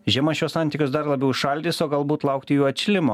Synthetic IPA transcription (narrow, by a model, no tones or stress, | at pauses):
ʒʲɛmɐʃʲuɔssɑnʲt̪ʲiːkʲʊsd̪ɐɾlˠɐbʲɛʊɪʃɐlʲd̪ʲɪːsoːɡɐlˠbuːt̪lˠɑʊk̚t̪ʲɪjuːɐt͡ʃʲlʲɪmo̰ː